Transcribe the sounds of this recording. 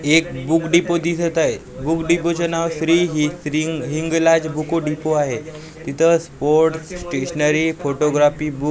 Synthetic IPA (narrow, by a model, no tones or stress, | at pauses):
ek̚bukɖipod̪isət̪aɦe | bukɖipot͡ɕənaʋsɾiːɦɾiɦiŋɡlad͡ʑbukoɖipoaɦe | t̪it̪ʰəspoɾʈssʈeɕnəɾifoʈoɡɾafiːbuk